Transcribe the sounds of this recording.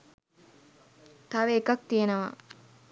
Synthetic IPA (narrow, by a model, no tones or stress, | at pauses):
t̪aʋeːkak̚t̪ijenɐʋa